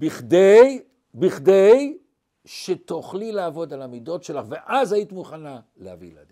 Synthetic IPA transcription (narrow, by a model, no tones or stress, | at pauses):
biχdej | biχdej | ʃet̪oχlilaːvo̞d̪alamid̪o̞tʃelaχve̞ʔazajit̪imuχana | lehavḭla̰d̪i